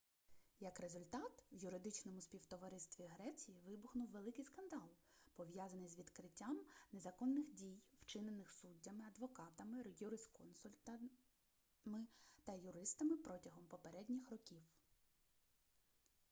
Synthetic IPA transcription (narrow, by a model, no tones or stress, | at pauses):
jɐkɾezʊlʲt̪ɑt̪wjʊɾɪd̪ɪt͡ʃnɔmʊsʲpʲiwt̪ɔʋɐɾɪst̪ʋʲiɦɾɛt͡sʲijiʋɪbʊxnʊwʋelˠɪkɪjskɐnd̪ɑlˠpɔʋjazɐnɪjzʋʲid̪kɾɪtʲːamne̞zɐkɔnːɪxdʲijw̥t͡ʃɪnenɪxsudʲːɐmɪɐd̪ʋɔkɑt̪ɐmɪjuɾɪskɔnsʊlʲt̪ɐ | mɪt̪ɐjʊɾɪst̪ɐmɪpɾɔtʲɐɦɔmpɔpeɾɛdʲnʲixrɔkʲiw